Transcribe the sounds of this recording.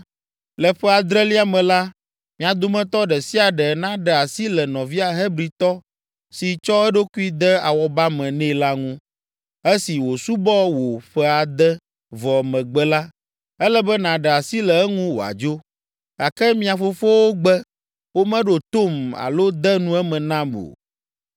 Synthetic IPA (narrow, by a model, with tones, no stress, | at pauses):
lɛ˨ɸɛ˦a˨d̪ɾɛ˦li˦a˦mɛ̃˨la˦ | mĩ˨a˨d̪o˨mɛ̃˦t̪ɔ˦ɖɛ˨si˦a˨ɖɛ˨nã˦ɖɛ˨a˨si˦lɛ˨nɔ̃˨vi˦a˨ɦɛ˦bɾi˨t̪ɔ˦ | si˨t͡ʃɔ˦ɛ˦ɖo˦ku˦i˦d̪ɛ˦a˨wɔ˦ba˦mɛ̃˨nɛ̃˦˨la˦ŋũ˦ | ɛ˦si˨wo˨su˦bɔ˦wo˨ɸɛ˦a˨d̪ɛ˦ | vɔ˨mɛ̃˨ɡ͡bɛ˦la˦ | ɛ˦lɛ˦bɛ˦nã˨ɖɛ˨a˨si˦lɛ˨ɛ˦ŋũ˦wo˨a̰˨d͡ʒo˦ | a˨kɛ˦mĩ˦a˨fo˦fo˦wo˦ɡ͡bɛ˦ | wo˦mɛ̃˦ɖo˨t̪o˦ma̰˨lo˦d̪ɛ˦nũ˦ɛ˦mɛ̃˨nã˦mo̰˨